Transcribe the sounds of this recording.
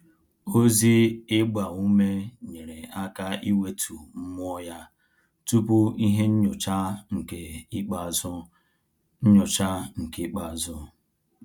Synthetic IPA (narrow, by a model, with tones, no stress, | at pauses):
o˦zi˦e˦ɡ͡ba˨ŋu˦me˦ɲe˨ɾe˨a˦ka˦i˦we˦tʰu˨m̩˦mʷ˦ɔ˦ja˦ | tu˦pʊ˦i˦ɦe˦n̩˦ɲ˨t͡ʃa˦ŋ̩˨ke˨i˦k͡pa˨zʊ˦ | n̩˦ɲʊ˨t͡ʃa˦ŋ̩˨ki˦k͡pa˨zʊ˦